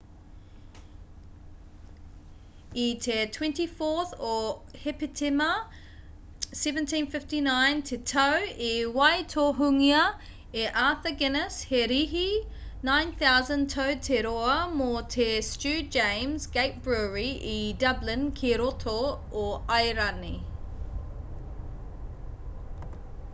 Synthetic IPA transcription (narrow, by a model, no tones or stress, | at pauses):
itʰɛtʰw̥ɛ̃ntifɔˑθəhɛpətʰɛmə | sɛvə̃ntʰĩnfɪftinãɪ̃ntʰɛtʰəʊewaɪtʰɔɦʉŋiə | eʔaːˑθəɡɛnəshɛɾiɦinãɪ̃nθaʊzə̃ntʰəʊtʰɛɾɔəmɔːtʰɛst͡ʃʉːd͡ʒẽɪ̃mzɡeɪt̚b̥ɹuɹiʔidʌblɪ̃nkʰiɾɔtʰo | əʔaɪɹani